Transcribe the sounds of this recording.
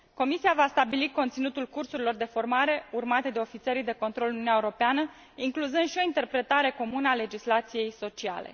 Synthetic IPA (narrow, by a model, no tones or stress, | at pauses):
ko̞misiavast̪abilikont̪sinut̪ulkursuɾilo̞rd̪e̞fo̞rmaɾe̞urmat̪e̞d̪e̞o̞fit̪seɾijd̪e̞ko̞nt̪ɾo̞lnunʲaeuɾo̞peanə | iŋkluzɨnd̪ʃio̞int̪e̞rpɾe̞t̪aɾe̞ko̞munəale̞d͡ʒislat̪sije̞jso̞t͡ʃia̰le̞̰